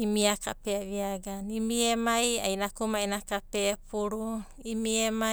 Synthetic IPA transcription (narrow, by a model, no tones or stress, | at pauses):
imiaka̰peaβiaɡanimiemaja̰jnakumainakapepuɾu | imiema